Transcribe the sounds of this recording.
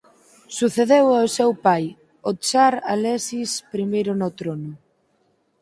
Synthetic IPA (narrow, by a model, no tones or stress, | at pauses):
suθeðewaosewpaj | ot͡ʃaɾa̰lɛsispɾimejɾʊnʊt̪ɾonʊ